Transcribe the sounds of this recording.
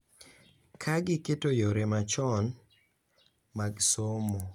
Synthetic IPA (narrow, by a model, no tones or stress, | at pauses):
kʰaɡɪketojoɾemat͡ʃɔn | maɡsomo